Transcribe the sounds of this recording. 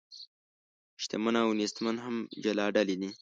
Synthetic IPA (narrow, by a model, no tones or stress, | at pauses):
ʃt̪ḛmənawnist̪manɦamd͡ʒalɑɖalid̪i